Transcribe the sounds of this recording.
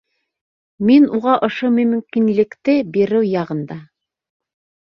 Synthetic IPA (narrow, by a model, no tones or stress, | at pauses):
minuʁɑʔŏʃomɵ̆mɵ̆mkinlɘ̆kt̪ɘbiɾɘwjɑʁɤ̆nd̪ɑ